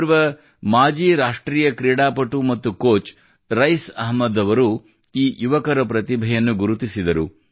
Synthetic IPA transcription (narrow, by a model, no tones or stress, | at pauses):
ɾʋɐ | maːd͡ʒiːɾaːʂʈɾiːjɐkɾiːɽaːpɐʈumɐt̪ːukoːt͡ʃ | ɾɐjsɐɦmːɐd̪ɐʋɐɾu | iːjuʋɐkɐɾɐpɾɐt̪ibʱɐjɐnːuɡuɾut̪isid̪ɐɾṵ